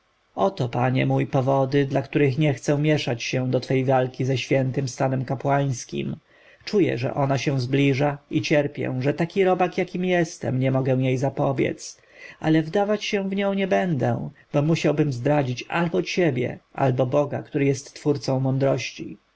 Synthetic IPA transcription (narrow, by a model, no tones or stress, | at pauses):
ɔt̪ɔpaɲɛ̰mujpɔvɔd̪ɘd̪lakt̪uɾɘxɲɛxt̪sɛ̃mʲjɛʂat͡ɕɕɛd̪ɔt̪fɛjvalkʲizɛɕfʲjɛnt̪ɘmst̪anɛmkapwaj̃skʲḭm | t͡ʂujɛ̰ʐɛ̰ʔɔnaɕɛ̃w̃zblʲiʐait͡ɕɛɾpʲjɛ̰ʐɛt̪akʲiɾɔbakjakʲimjɛst̪ɛ̰mɲɛmɔɡɛw̃jejzapɔbʲjɛ̰t̪s | a̰lɛvd̪avat͡ɕɕɛw̃vɲɔ̃w̃ɲɛbɛnd̪ɛ̰b̥ɔmuɕawbɘmzd̪ɾad͡ʑit͡ɕa̰lbɔt͡ɕɛbʲjɛ̰ʔa̰lbɔbɔɡa̰kt̪uɾɘjɛst̪ːfuɾt̪sɔ̃w̃mɔnd̪ɾɔɕt͡ɕḭ